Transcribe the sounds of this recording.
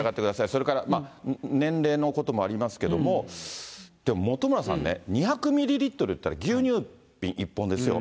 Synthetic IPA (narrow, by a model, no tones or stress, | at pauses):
aɡat̪ːe̞kɯ̟d̪asaiso̞ɾe̞kaɾamanẽ̞nɾe̞ːnoko̞t̪o̞mo̞aɾʲimasɨ̥ke̞d̪o̞̰mo̞ | d̪̥e̞mo̞mo̞t̪o̞moɾasã̰nːḛɲ̟içakɯ̟mʲiɾʲiɾʲit̪ːo̞ɾɯ̟jɯt̪ːaɾaɡʲɯːɲ̟ɨː | pʲːĩɰ̃ʔipːõ̞nd̪e̞sɨjo̞̰